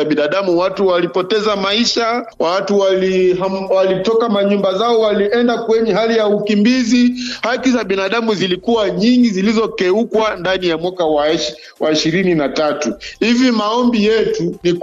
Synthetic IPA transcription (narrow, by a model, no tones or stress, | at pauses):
aɓinaɗamuwatuwalipɔtɛzamaiʃa | watuwaliawalitɔkamaɲumbazaɔwaliʔɛndakwɛɲɛhalijaukimbizihakizaɓinaɗamuzilikuwaɲiŋɡizilizɔkɛukwandanijamwakawa | waiʃiɾininatatuhivimaɔmbijɛtuni